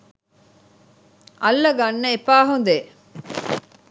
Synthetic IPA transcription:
ʔɐlːɐɡɐnːɐepaːɦund̪e

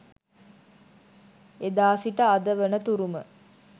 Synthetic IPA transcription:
ed̪aːsiʈəad̪əʋənət̪uɾumə̰

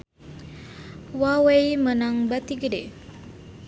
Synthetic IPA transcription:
wawejmənaŋbat̪iɡəɖe

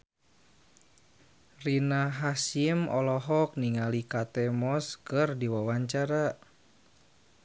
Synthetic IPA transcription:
rinaɦasimɔlɔɦɔk̚niŋalikat̪ɛmɔskɨrdiwawaɲt͡ʃaɾa

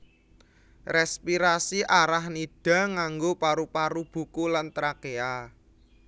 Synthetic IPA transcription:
rɛspiɾasiʔaɾahnid̥a̤ŋaŋɡopaɾupaɾub̥ṳkulant̪ɾakea

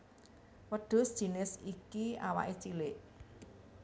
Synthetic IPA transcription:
wəɖ̥ʊ̤sd̥ʒ̥i̤nɪsikia̰wa̰ʔet͡ʃilɪʔ

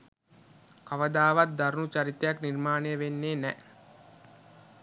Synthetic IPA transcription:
kaʋəd̪aːʋat̪̚d̪aɾunut͡ʃaɾit̪ːejaknirmaːnejəʋenːeːnɛ

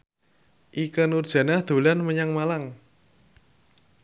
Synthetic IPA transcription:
ʔikənurd̥ʒ̥ä̤nahd̪̥o̤lanməɲaŋmalaŋ

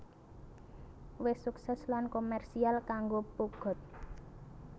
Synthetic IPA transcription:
wɪsuksɛslankomɛrsialkaŋɡopuɡ̥ɔ̤t̪̚

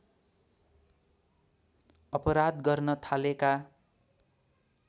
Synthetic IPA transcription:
ʌpʌɾad̪ɡʌrnʌt̪ʰaleka

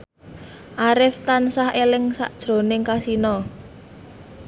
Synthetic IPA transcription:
ʔaɾɪft̪ansahelɪŋsa̰ʔd̥ʒ̥ɾo̤nɪŋkasinɔ

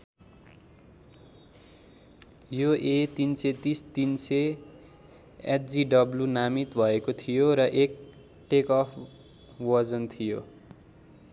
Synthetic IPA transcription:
joet̪inset̪ist̪inse | eʈd͡ziɖʌblunamit̪bʱʌekot̪ʰijoɾʌʔek | ʈekʌpʰ | wʌd͡zʌnt̪ʰijo

